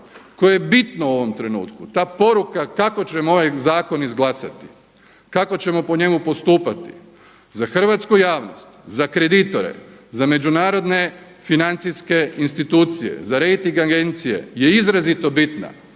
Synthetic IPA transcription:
kojejebit̪nouo̞ʋo̞mt̪ɾe̞nṵːt̪kut̪aːpo̞ɾukakako̞t͡ɕe̞mo̞ʋajzaːko̞nizɡlˠasa̰t̪i̥ | kako̞t͡ɕe̞mo̞po̞ɲe̞mupo̞st̪uːpat̪i | zaxr̩ʋat̪skujaːʋno̰st̪zakɾe̞d̪it̪o̞ɾḛzame̞d͡ʒunaːɾo̞d̪ne̞ | finant̪siske̞inst̪it̪uːt̪sije̞̰zaɾejt̪iŋɡaɡe̞nt̪sije̞̰je̞izɾazit̪o̞bit̪na̰

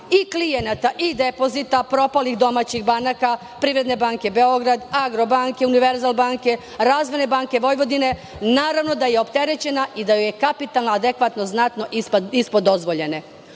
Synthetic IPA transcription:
iklijenat̪aʔid̪epo̞zit̪apɾo̞palixd̪o̞mat͡ɕixbanaka | pɾiːʋɾe̞d̪ne̞baːŋke̞be̞o̞ɡɾad̪aɡɾo̞baːŋkeuniʋeɾzalˠbaːŋke̞ | ɾaːzʋene̞baŋke̞ʋo̞jʋo̞d̪ine̞ | naːɾaʋno̞d̪ajeopt̪e̞ɾe̞t͡ɕe̞naʔid̪ajojekapit̪alˠnaad̪ekʋat̪no̞znat̪no̞ʔipispod̪o̞zʋoʎe̞ne̞

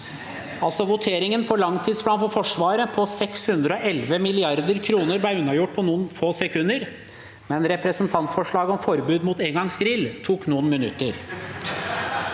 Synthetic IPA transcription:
ɑlsɔʋʊt̪ʰeːɾɪŋənpʰɔlɑŋːt̪ʰiːd̪sb̪ɑːnfɔɾfɔʂʋɑːɾəpʰɔsɛkshʉnd̪ɾəɔʔɛlʋəmɪlɪɑɾd̪əɾkʰɾuːnəɾblæʉnːɑjʊʈ̚ːpʰɔnuːənfoːsɛkʰʉnəɾ | mɛnɾɛpɾəsənt̪ʰɑnt̪fɔʂɭɑːɡəɔmfɔɾbʉːd̪muːt̪eːŋɡɑŋsɡɾɪlːt̪ʰuːknuːənmɪnʉt̪ːəɾ

